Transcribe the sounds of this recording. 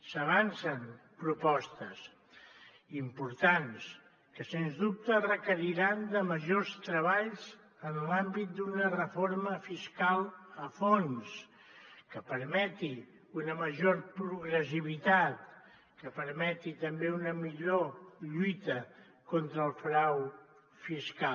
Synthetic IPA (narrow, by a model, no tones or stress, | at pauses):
səβ̞ansənpɾupɔst̪əs | impuɾt̪ans | kəsenzðup̚t̪ərəkəɾiɾand̪əməʒost̪ɾəβaʎz | ənlambit̪̚d̪unərəfoɾməfiskalˠəfons | kəpəɾmɛt̪i | unəməʒoɾpɾuɣɾəsiβ̞it̪at̪ | kəpəɾmɛt̪it̪əmbeunəmiʎoʎujt̪ə | kont̪ɾəːlˠfɾaw | fiska